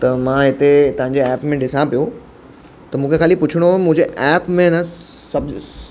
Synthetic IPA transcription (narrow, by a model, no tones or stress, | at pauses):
t̪ɐmãːɦɪt̪et̪ɐɦãɲd͡ʑeɛːpmẽɖɪsãpijo | t̪ɐmũːkʰexaːlipʊt͡ɕʰəɽ̃omũɦɪ̃d͡ʑeʔɛːpmẽnə | sɐb